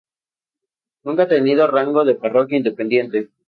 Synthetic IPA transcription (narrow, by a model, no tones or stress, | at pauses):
nũŋkat̪eniðo̞raŋɡo̞ðe̞paro̞kjaind̪e̞pend̪je̞nt̪e̞